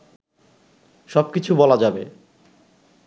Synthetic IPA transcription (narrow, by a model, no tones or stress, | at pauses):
ʃɔb̚kit͡ɕʰubɔlad͡ʑabe